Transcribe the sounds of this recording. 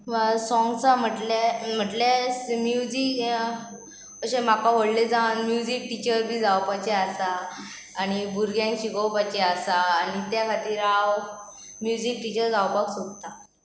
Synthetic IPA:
sɔ̃ŋɡsam̤əʈlem̤əʈlesmjud͡ʑik | əɕẽm̤akaʋ̤oɽled͡zawnmjud͡ʑik̚ʈit͡ɕəɾbʱiːd͡zawpat͡ɕeasaː | ñibuɾɡjãŋɕiɡowpat͡ɕeasaːnit̪jakʰat̪iːɾaw | mjud͡ʑiːk̚ʈit͡ɕəɾd͡zawpaksoɡt̪a

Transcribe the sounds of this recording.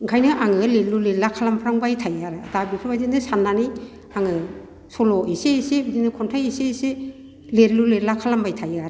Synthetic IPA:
ɡʰajnɯʔaŋɯlelulelakʰalampʰɾaŋbajtʰajaɾɯadabipʰɯbajdinɯsanːani | aŋɯ | sɔlɔʔesesebidinɯkʰɔntʰajesese | leɾluleɾlakʰalambajtʰajaɾɯ

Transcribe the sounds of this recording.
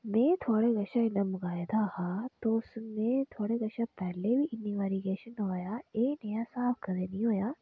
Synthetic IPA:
mẽːt̪ʰoːɽeɡɐʃaɪnɐmɡaːjd̪ahat̪oʊsnẽt̪ʰoːɽeɡɐʃapɛɦlebʱiʔɪniʋɛːɾiɡeːʃənʋaːjaeːnɐjasaːfʰkɐd̪eːnɐɦĩɦoːjaː

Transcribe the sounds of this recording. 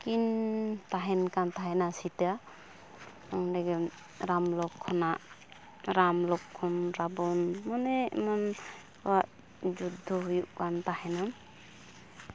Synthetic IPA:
kintaɦɛnkantʰaɦenasit̪ja | ɔŋdeɡen | ɾamlɔkʰːɔnaʔ | ɾamlɔkʰːɔnɾabɔnmɔnemɔn | waʔ | d͡ʒud̪ʱɔɦujuʔkant̪ahena

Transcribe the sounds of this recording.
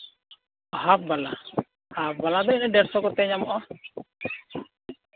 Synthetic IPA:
ɔɦap̚bala | hap̚balad̪ɔɛnɛdɛɾsɔkɔt̪ɛɲamɔʔɔ

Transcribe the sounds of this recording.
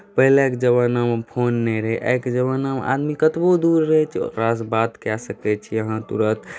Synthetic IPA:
pəɦilekd͡ʒəbanampʰonːɛ̃ɾɦeʔḛkd͡ʒəβanama̰d̪mikət̪bod̪uɾːəɦɛt͡ʃʰɾasbat̪kasəkɛt͡ʃʰijəɦãt̪ṵɾə̃t̪

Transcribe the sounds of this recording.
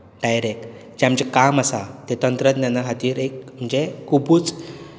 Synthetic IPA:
ɖajɾek | d͡ʑeaməd͡ʑekamasat̪et̪ənt̪ɾət̪nanːaɦat̪iːɾekm̤əɳd͡ʑekubuːt͡s

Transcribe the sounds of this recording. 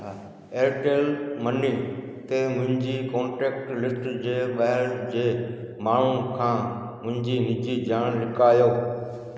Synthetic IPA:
eːɾʈeːlməniː | t̪eːmʊ̃ɦɪ̃ɲd͡ʑiːkõːɳʈeːk̚ʈlɪsʈd͡ʑeːɓəɦɪld͡ʑeː | maːɳ̤ũkʰãː | mʊ̃ɦɪ̃ɲd͡ʑiːnɪd͡ʑiːd͡ʑaːɳlɪkaːjoː

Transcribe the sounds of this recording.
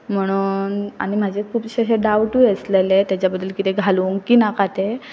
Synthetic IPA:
m̤əɽ̃uːna̰ɽ̃im̤ad͡ʑʱekʰuːpɕaɕeɖawʈujeslelet̪jat͡ɕjabəd̪ːəlkit̪eɡʱaluŋɡkiːnakat̪e

